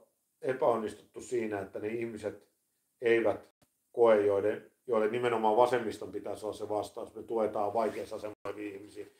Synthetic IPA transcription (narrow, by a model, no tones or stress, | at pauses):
epæonːist̪u̥t̪ːussiːnæet̪ːæneihmiset̪ | eiʋæt̪ | koejjoilenjoilːennimenomɑːʋɑsemːist̪ompit̪æːsolːɑsseʋɑst̪ɑusnet̪uet̪ɑːʋʋɑikeːsːɑsemːooipiihmisiː